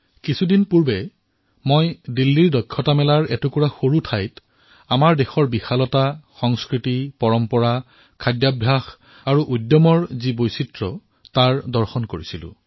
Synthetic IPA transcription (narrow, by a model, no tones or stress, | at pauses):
kisʰudinpuɹbɛ | mojdilːiɹdɔkʰːɔtamɛlaɹɛtukuɹaxoɹutʰajt | amaɹdexɔɹbixalɔtaxɔŋskɹitipɔɹɔmpɔɹa | kʰadjabʱjax | aɹuʔudjɔmɔɹzibojsitɹɔ | taɹdɔɹxɔnkoɹisilʊ̰̃